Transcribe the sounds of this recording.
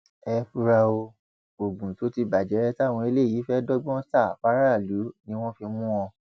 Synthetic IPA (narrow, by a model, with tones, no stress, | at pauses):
ɛ˧fu˧ɾa˧o˧ | o˨ɡ͡bũ˨to˨˦ti˧ba˨d͡ʒɛ˨˦ɾɛ˦tw̃ɔ̃˧i˧le˦˨i˨˦fɛ˦dɔ˦ɡ͡bɔ̃˦ta˦˨fa˦ɾa˦˨lu˨˦nĩ˧˦w̃ɔ̃˦fi˧mũ˦ɔ̃˧